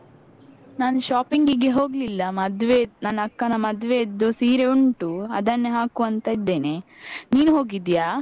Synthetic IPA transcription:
naːnʃaːpiŋɡiɡe̞ɦo̞ːɡlilːɐmɐd̪ʋenɐnɐkːɐnɐmɐd̪ʋed̪ːusiːɾeuɳʈuɐd̪ɐnːeɦaːkuɐnt̪ɐid̪ːe̞ːneniːnuɦo̞ːɡid̪jaː

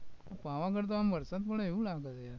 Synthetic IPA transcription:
apaːʋãkəɾt̪̬oamʋəɾsat̪̚poɽeeulaːɡət̪ja

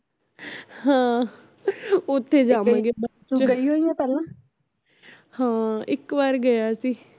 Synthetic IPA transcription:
hãː | ʊt̪ʰːeːd͡ʒaːmãɡebət͡ʃt͡ʃɡəiːɦoːiːãːpɛːlãː | hãːɪkʋaːɾɡəjaːsiː

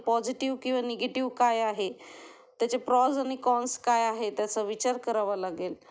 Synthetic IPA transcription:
pɔd͡ʑiʈiʋkĩw̃ʋaneɡeʈiʋkajaɦe | t̪jat͡ɕepɾɔd͡zañikɔnskajaɦet̪jat͡səʋit͡ɕaɾkəɾaʋalaɡel

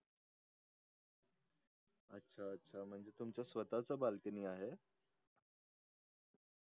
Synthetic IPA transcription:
ətːɕʰaətːɕʰam̤əɳd͡zet̪umt͡ɕjasʋət̪at͡sabalkəniːaɦe

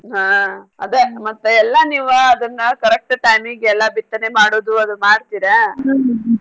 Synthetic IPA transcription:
ɦaːɐd̪emɐt̪ːeɛlːɐniːʋɐɐd̪ɐnːɐkɐɾɐk̚ʈʈajmiɡɛlːɐbit̪ːɐnemaːɽoːd̪uɐd̪umaːɖt̪iːɾe

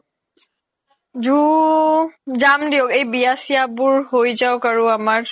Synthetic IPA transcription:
d͡ʒu | d͡ʒamd̪ijoɡebijasjabuɾɦojd͡ʒawkəɾũəməɾ

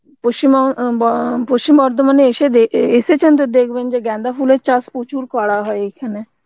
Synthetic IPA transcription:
pʊst͡ʃɪm | pʊst͡ʃɪmɔːɾd̪əmənesed̪eɪseːt͡ʃənt̪ed̪eːkʰbend͡ʒeɡɛ̃ːnd̪aːpʰuːleːt͡ʃaspuːt͡ʃʰuːɾkaːɽaːɦoːeɪkʰːɛneː

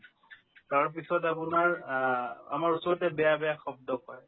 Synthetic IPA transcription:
kaɹp̬isɔtapunaɹ | a̰maɹusɔɹɔtɛbɛjabɛjaxɔb̚dɔkɔj

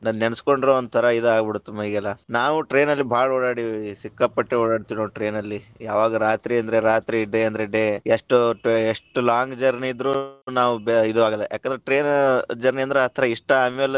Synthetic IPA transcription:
nɐnnensko̞ɳɖiɾoond̪ut̪ʰɐɾɐid̪uaːɡbiɽut̪ːumɐiːɡɐlːɐnaːʋuʈɾe̞ːnɐlːibʱaːɭɔɽaːɽisikːɐpːɐʈːeɔɽaːɽt̪inoːʈɾe̞ːnɐlːijaːʋaːɡɐɾaːt̪ɾiɐnd̪ɐɾeɾaːt̪ɾiɖeɐnd̪ɐɾeɖeeʂʈueʂʈulaːŋɡd͡ʒɐɾniid̪ɾuːnaːʋubid̪uaːɡɐlːɐ̰jaːkend̪ɾeʈɾeːnd͡ʒɐɾniɐnd̪ɾeɐt̪ʰɐɾɐiʂʈɐɐmɐl

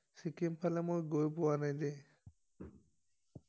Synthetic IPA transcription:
sikimpʰalɛmojɡojpɔwanajd̪e

